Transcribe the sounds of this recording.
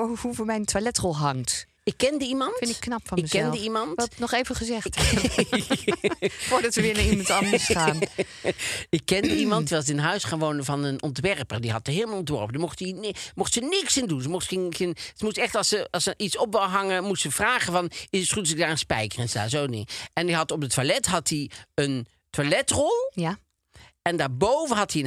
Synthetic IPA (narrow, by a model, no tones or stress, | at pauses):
ohuvomɛjntʋalɛtrɔlˠɦɑŋt | ɪkːɛndəimɑntfɪntɪkːnɑpfɑnɪəzɛndəimɑntnɔχejvəχəzɛxt | fʊːɹdɑtʋəʋɪəɪnətɑndsaːn | ɪkːɛndəimɑntdiʋɑs̬tɪnəɦœɥsχaːnʋownəvɑnənɔntʋɛɹpərdiɦɑtəɦɪːlˠmɑlˠɔntʋɔɹpədəmɔχtinmʊχtsənɪksɪndunsəmɔχtχɪnχenzəmustɛχtɑlˠsəɑsəʔitsɔp̚wɦɑŋəmustsəv̥raːχəvɑnɪnsrutsɪk̚daːɹənspɛjkərɛnsdaːzownɪ̰ʔɛndiɦɑtɔp̚dətʋalɛtɦɑtiən | tʋalɛtrɔlˠ | ɛndaːɹbowvənɦɑtin